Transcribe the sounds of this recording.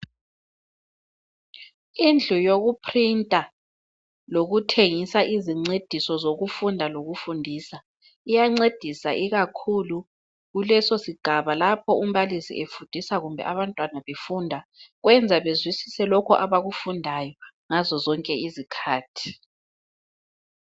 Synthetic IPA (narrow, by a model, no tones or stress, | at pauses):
ind͡ɮʱujoɣupʰrintʼa | loɣutʰeŋisaʔiziŋ͡ǀed̥ʱisɔzoɣufundʱaloɣufundʱiːsa | ijaŋ͡ǀed̥ʱisaʔiɣakʰulu | ɣulɛsosiɡ̥ʱaβalapʰɔum̩βalisḭʔefund̥ʱisaɣumbʱɛ̰ʔaβantʼwanaβefuːndʱaɣwɛnd͡zʱaβezwisi̥sɛlɔkʰɔʔaβaɣufundʱajɔ | ŋazɔzɔŋkʼɛizikʰaːtʰi̥